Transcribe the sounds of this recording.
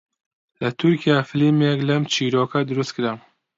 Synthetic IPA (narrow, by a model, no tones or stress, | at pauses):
lɐt̪ʰuɾkijaːfɨlimjɛklɛmt͡ʃʰiːɾoːkʰɐd̪ɨɾust̪̚kʰɨɾa